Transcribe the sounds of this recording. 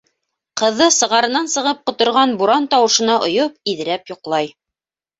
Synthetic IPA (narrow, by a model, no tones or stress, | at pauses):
qɤ̆ðːɤsɤ̆ʁɑɾɤ̆nɑnsɤ̆ʁɤp̚qŏt̪ŏɾʁɑnbuɾɑnt̪ɑwɤ̆ʃɤ̆nɑʔŏ̰jopiðɘ̆ɾæpjŏqlˠɑj